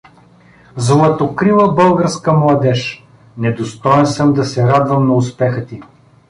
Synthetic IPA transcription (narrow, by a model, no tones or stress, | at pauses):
zlˠɐt̪okɾilˠəbɤlˠɡəɾskəmlˠɐd̪ɛʃ | nɛd̪ost̪ɔɛnsəmd̪ɐsɛɾad̪vɐmnɐʊspɛxət̪i